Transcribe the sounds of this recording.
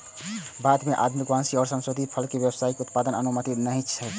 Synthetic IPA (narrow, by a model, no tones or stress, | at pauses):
bad̪meʔa̰d̪mikwansiɔːɾsə̃nsɾod̪ʱipʰəlkebjəbəsaikeut̪̚pad̪ənənumət̪inəɦĩt͡ʃʰɛ